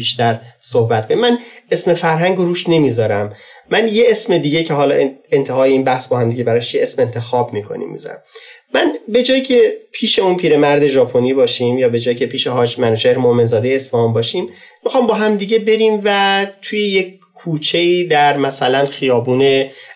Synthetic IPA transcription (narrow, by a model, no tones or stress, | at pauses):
biːʃt̪æɾsohbæt̪kʰo̞nimænesme̞fæɾɦæŋɡoɾuːʃne̞miːzɒːɾæmːænje̞esmed̪iːɟe̞cʰe̞ɦɒːlɒ̰ːent̪ʰeɦɒːjeiːnbæhsbɒːhæmd̪iɟe̞bæɾɒːʃieesmeent̪ʰe̞xɒːbmiːkʰo̞̰nḭmːḭzɒ̰ɾæ̰mː | ænbe̞d͡ʒɒːjicʰe̞pʰiːʃe̞unpʰiːɾe̞mæɾd̪e̞ʒɒːpʰo̞niːbɒːʃiːmjɒːbe̞d͡ʒɒːjicʰe̞pʰiːʃeɦɒːd͡ʒmænuʃeɾmohme̞nzɒːd̪ejeesmehunbɒːʃiːmː | ixɒːmbɒːɦæmd̪iːɟe̞be̞ɾiːmvæt̪ʰujeje̞k | kʰːuːt͡ʃʰe̞iːd̪æɾmæsælænxijɒːbuːne